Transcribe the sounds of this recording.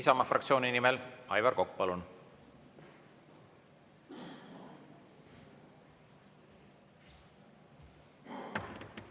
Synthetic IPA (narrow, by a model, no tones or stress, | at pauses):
isɑmɑfrɑ̰kt̪sio̞ːninimelɑ̰jvɑɾko̞kːupɑlun